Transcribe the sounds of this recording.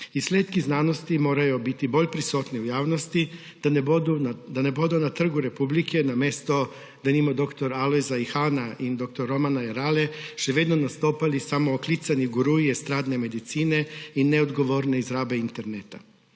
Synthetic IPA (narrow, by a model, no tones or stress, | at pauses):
isleːt̪kiznano̞st̪imo̞ːɾajubit̪ibo̞ʎpɾisut̪niujaːʋno̞st̪i̥ | d̪ud̪anebo̞d̪unat̪r̩ɡuɾe̞publikʰe̞name̞st̪o̞ | d̪animod̪o̞kt̪o̞ɾalezaixanaʔid̪o̞k̚t̪oɾːo̞manaeɾaleʃeʋed̪nonast̪o̞ːpalisamoːklit̪saniɡuɾuiest̪ɾaːd̪neme̞d̪it̪siːne̞ineod̪ɡo̞ʋo̞ɾne̞izɾaːbe̞int̪e̞ɾnet̪a